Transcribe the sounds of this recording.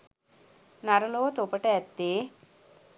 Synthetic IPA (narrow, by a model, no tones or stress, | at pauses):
nɐɾɐloːt̪opɐʈɐɐt̪ːeː